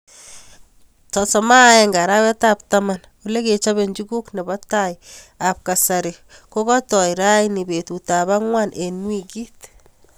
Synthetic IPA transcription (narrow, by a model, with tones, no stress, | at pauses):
tɔ˨sɔ˨ma˦eŋɡa˨ɾa˦wɛ˦tap̚tama˨n | wule˦ke˨t͡ʃa˦βe˨ɲd͡ʒi˦ɡu˦kne˨bɔ˦tajap̚ka˨saɾe˨ko˦kɔ˦tɔ˨jɾa˦jni˨be˨tu˨ta˨βa˦ŋwanʔe˨nwi˦ki˦t